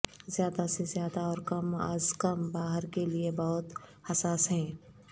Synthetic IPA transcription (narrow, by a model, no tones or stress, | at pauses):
zjaːd̪asezjaːd̪aɔːɾkɐma̰ːzkɐmbaːɦəɾkeliebɔɦʊt̪hɐsaːsɦɛ̃ː